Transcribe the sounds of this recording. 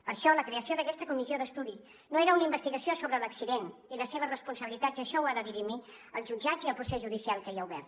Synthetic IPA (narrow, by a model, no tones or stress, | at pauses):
pəɾʃɔləkɾeəsioðəkɛst̪əkumizioðəst̪uði | noeɾəunəimbəst̪iɣəsiosoβɾələksiðeniləseβ̞əzrəspunsəβilit̪ad͡zəʃɔwaðəðiɾimi | əlˠʒud͡ʒad͡ziəlˠpɾusezʒuðisialˠkəiəuβɛ̰rt̪